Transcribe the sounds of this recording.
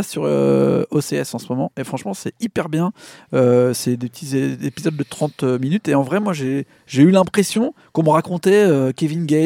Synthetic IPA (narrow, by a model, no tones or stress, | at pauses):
asyʁø̰oseɛsɑ̃smɔmɑ̃efχɑ̃ʃmɑ̃sɛipɛʁbjɛ̃øsɛd̪epət̪izeepizɔd̪̚ːət̪χɑ̃t̪øminyt̪eɑ̃vʁɛmwaʒe | ʒeylɛ̃pχesjɔ̃ | kɔ̃məʁakɔ̃t̪ɛøkʲevinɡʲɛ